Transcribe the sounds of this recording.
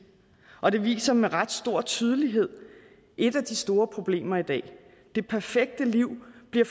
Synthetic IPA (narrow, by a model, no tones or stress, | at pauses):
ʔɒ̽d̥e̝ʋḭːsɐmeʁɑ̈d̥sd̥o̝ɐ̰t͡sʰyːð̞ˠəliɦe̝ð̞̰ˠ | ʔe̝d̥æd̥isd̥o̝ːɐpʰʁo̝b̥le̝̰ːmɐid̥ɛ̰ː | d̥e̝pʰæɐfeɡ̥̚d̥əliʊ̰b̥liɐ